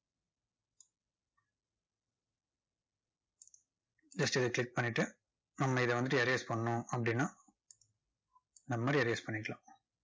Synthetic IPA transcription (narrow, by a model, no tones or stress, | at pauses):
d͡ʒɐsʈɪðɐkɭɪk̚pɐɳːɪʈːɯ | nɐmːɐɪðɐʋɐnd̪ʈɯɐɾeːspɐɳːɐnʊ̃ɐpːɐɽɪnːaː | nd̪ɐmɐmaːd̪ɾiɐɾeːspɐɳːɪkːɐɭã̰ː